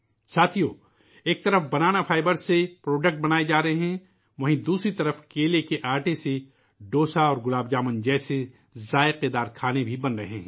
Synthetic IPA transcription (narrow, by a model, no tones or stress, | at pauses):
saːt̪ʰijo | eːk̚t̪ɐɾəfbɐnaːnafʰaːɪbəɾsepɾɔːɖək̚ʈ̚bɐnaːed͡ʒaːɾɐɦeɦɛ̃ː | ʋɐ̃ɦĩd̪uːsɾit̪ɐɾəfkeːlekeʔaːɾʈese | ɖoːsaɔːɾɡʊlaːbd͡ʒaːmənd͡ʒɛːse | zaːeqeːd̪aːɾkʰaːnebʱibɐnɾɐɦeɦɛ̃ː